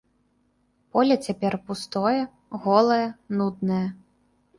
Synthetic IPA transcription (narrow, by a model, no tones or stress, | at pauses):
pɔlʲɐt͡sʲapʲɛrpust̪ɔjɛ | ɣɔlˠɐjɛnud̪nɐjɛ